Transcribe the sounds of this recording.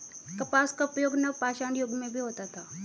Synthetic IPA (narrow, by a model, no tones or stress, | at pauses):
kəpaskapjoɡnəʋpaɕaɳjoɡmẽbʱiːɦot̪at̪a